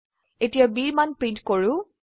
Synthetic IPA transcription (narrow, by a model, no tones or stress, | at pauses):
etijabiɹmanpɹidkoɹũ